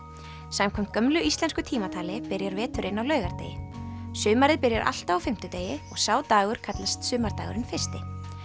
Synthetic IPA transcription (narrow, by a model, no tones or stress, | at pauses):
samkʰɔm̥t̪̚kœmlʏʔist̪lɛnskʏt̪ʰiːmat̪ʰaːlɪpɪɾjaɾvɛːt̪ʏɾʔɪnːawlœːɥɣaɾt̪ḛːjɪsʏːmaɾɪðpɪɾjaɾʔa̰l̥t̪aawfɪm̥t̪ʏt̪eːjɪɔɣsaːwt̪aːɣʏɾ̥kʰat̪last̪sʏːmaɾt̪aːɣʏɾɪnfɪr̥st̪ɪ